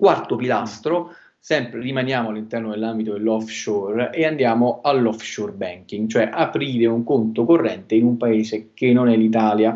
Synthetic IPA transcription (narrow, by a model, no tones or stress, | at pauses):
kwart̪opila̰st̪ɾo | sɛmpɾerimanjaːmʊalːint̪ɛrnod̪elːambit̪od̪elːɔfʃɔreand̪jaːmoalːɔfʃɔrbɛŋk̟iŋɡt͡ʃoɛʔapɾiːɾeuŋkont̪okorːɛnt̪einumpaeːzekenːonɛlːit̪̬aːlja